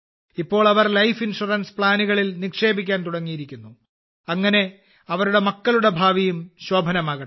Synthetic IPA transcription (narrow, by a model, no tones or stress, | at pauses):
ipːo̞ːɭɐʋɐrlɐjfinʂurɐnspɭaːnuɣɐɭilnikʂe̞ːbik̬ʲːaːnt̪uɽɐŋːijiɾikʲːunːu | ɐŋːɐne̞ | ɐʋɐɾuɽe̞mɐkːɐluɽe̞bʱaːʋijumɕwoːbʱɐnɐmaːɣɐ